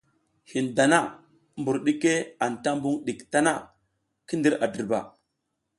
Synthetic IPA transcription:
hi˨nda˨na˦ | mbu˨ɾɗi˦ke˦a˨nta˦mbu˦ŋɗi˨kta˦na˦˨ | ki˦ndi˦ɾa˨də˨ɾba̰˨

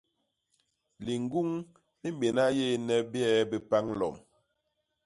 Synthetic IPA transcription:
li˨ŋ˦ɡu˦ŋ | ni˦m̩˦be˨na˦je˦nɛ˦bjɛ˦be˨pa˦ŋ˦lɔ̰˨m

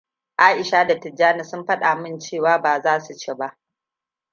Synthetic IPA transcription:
ʔaː˦ʔɪ˨ʃaː˦da˨tɪ˨d͡ʒaː˦na˨sʊ˦mɸɐ˦ɗa˨mɪ˦nt͡ʃeː˦˨waː˦baː˨zaː˦su˨t͡ʃeː˦˨ba˦ʔ

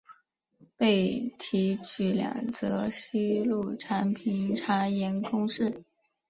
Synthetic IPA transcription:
pe˥˩ɪt̪ʰi˧˥t͡ɕy˧˥ljɑ̰˨˩ŋt͡sɤ˧˥ɕi˥lu˥˩ʈ͡ʂʰa˧˥npʰi˧˩nʈ͡ʂʰa˧˥jɛ˧˥nkʰʊ˥ŋʂɻ̩˥˩

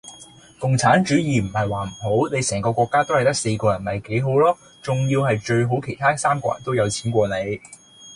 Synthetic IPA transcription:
kʊ˨ŋt͡sʰaː˨˥nt͡ʃyː˨˥jiː˨m̩˨˩hɐ˨jwaː˨˩m̩˨˩ho˨˥wne˨˧jsɛː˨˩ŋkɔː˧kʷɔː˧kːaː˥t̪o˥whɐ˨˩jt̪ɐ˥k̚se˧kɔː˧jɐ˨˩nmɐ˨˩jke˨˥jɦo˨˥wlɔː˥ | t͡sʊ˨ŋjiː˧wɦɐ˨jt͡ʃɵ˧ɥɦo˨˥wkʰe˨˩t̪ʰaː˥saː˥mkɔ̰ː˧jɐ̰˨˩nt̪o˥wjɐ˨˧wt͡sʰiː˨˥nkʷɔː˧ne˨˧j

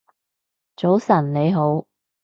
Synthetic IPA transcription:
t͡so˨˥wsɐ˨˩nle˨˧jɦo˨˥w

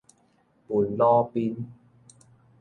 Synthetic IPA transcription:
pu˨˩nlɔː˦˧pi˧˥n

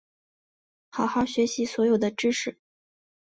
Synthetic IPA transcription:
xɑ˨˩ʊxɑ˥˩ʊɕɥɛ˧˥ɕi˧˥swɔ˧˥jo˨˩ʊd̪ə˦ʈ͡ʂɻ̩˥ʂɻ̩˨˩˦

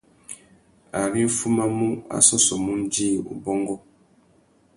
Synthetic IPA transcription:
a˨ɾi˦fu˦ma˦mu˦a̰˨sɔ˦sɔ˨mu˦n˦di˦˨ṵ˨bɔ˦ŋɡɔ˦

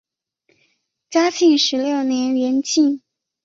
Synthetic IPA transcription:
t͡ɕja˥t͡ɕʰi˥˩ŋʂɻ̩˧˥ljo˥˩ʊnjɛ˧˥nljɛ˧˥nt͡ɕi˥˩n

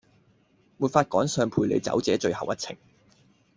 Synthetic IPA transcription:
muː˨tfaː˧t̚kɔː˨˥ŋsœː˧ŋpʰuː˧jlḛ˨˧jt͡sɐ̰˨˥wt͡sɛː˨˥t͡ʃɵ˧ɥhɐ˨wʔɐ˥t̚t͡sʰɪ̰˨˩ŋ

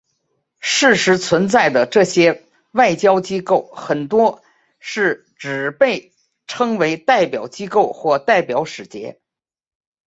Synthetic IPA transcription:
ʂɻ̩˥˩ʂɻ̩˧˥t͡sʰwə˧˥nt͡sa˥˩ɪd̪ə˩ʈ͡ʂɤ˥˩ɕjɛ˥ | wa˥˩ɪt͡ɕjɑ˥ʊt͡ɕi˥ko˥˩ʊxə˨˩nt̪wɔ˥ | ʂɻ̩˥˩ | ʈ͡ʂɻ̩˨˩pe˥˩ɪ | ʈ͡ʂʰɤ˥ŋwe˧˥ɪt̪a˥˩ɪpjɑ˨˩ʊt͡ɕi˥ko˥˧ʊxwɔ˥˧t̪a˥˩ɪpjɑ˨˧˥ʊʂɻ̩˨˩t͡ɕjɛ̰˧˥

